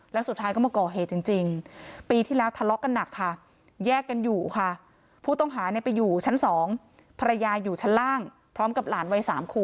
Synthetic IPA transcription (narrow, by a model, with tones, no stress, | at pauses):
lɛː˦˥wsu˨˩t̪ʰːaː˦˥jkɔ˥˩mː˧˩kɔː˨˩ɦeː˨˩t̪̚t͡ɕi˧ŋt͡ɕi˧ŋpiː˧t̪ʰiː˥˩lɛː˦˥wt̪ʰa˧lɔ˦˥ʔka˧nːa˨˩kʰːa˥˩ | jɛː˥˩kːa˧njuː˨˩kʰa˥˩ | pʰuː˥˩t̪ɔ˥˩ŋɦaː˩˦ni˦˥˩pa˧juː˨˩t͡ɕʰa˦˥nsɔː˩˦ŋ | pʰa˧ɾa˧jaː˧juː˨˩t͡ɕʰa˦˥nlaː˥˩ŋ | pʰɾɔː˦˥mka˨˩p̚laː˩˦nwa˧jsaː˩˦mkʰuː˧˩